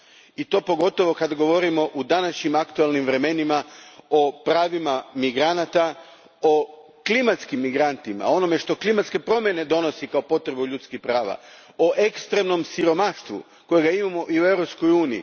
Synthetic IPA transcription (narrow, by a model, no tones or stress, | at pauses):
it̪o̞ːpo̞ɡo̞t̪o̞ʋo̞kad̪aɡo̞ʋo̞ɾimo̞ʔud̪anaʃɲimakt̪uelˠnimʋɾe̞me̞nimaopɾaːʋimamiɡɾanat̪a | o̞ | klimat̪skimːiɡɾant̪ima̰o̞no̞me̞ʃt̪o̞klimat̪ske̞pɾo̞mje̞ne̞d̪o̞no̞sikaopo̞t̪ɾe̞buʎut̪skixpɾaːʋa̰ | oʔe̞kst̪ɾe̞mno̞msiɾo̞maʃt̪ʋṵ | ko̞jeɡaimamo̞ʔiue̞vɾo̞psko̞juːnijḭ